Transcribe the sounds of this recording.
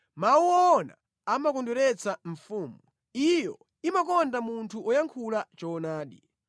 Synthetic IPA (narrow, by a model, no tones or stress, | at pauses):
mawuɔːna̰ | amakɔndɛɾɛt͡sʰaɱ̩fuːmu | ijɔ | imak̬ɔndamuntʰuʔɔjaŋkʰulat͡ʃɔːnaːɗi